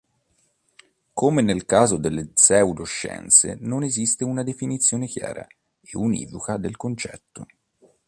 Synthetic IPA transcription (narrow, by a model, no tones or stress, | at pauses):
kʰomenelkaːzod̪elːesɛud̪oʃːɛ̰nt̪sḛnonezist̪eunad̪efinit̪sːjoːnekja̰ːɾa̰ | eunḭːvukad̪elkont͡ʃɛ̰t̪ːo̰